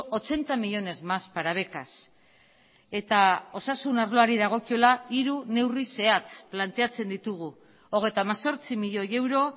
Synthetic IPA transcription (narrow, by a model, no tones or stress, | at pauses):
o̞t͡ʃe̞nt̪amiʎo̞ne̞zmaspaɾaβ̞e̞kas | e̞t̪ao̞sasunaɾlo̞aɾiðaɣ̞o̞kio̞laiɾune̞wrise̞at͡splant̪e̞at͡se̞nd̪it̪uɣ̞u | o̞ɣ̞e̞jt̪aːmaso̞ɾt͡simiʎo̞je̞wɾo̞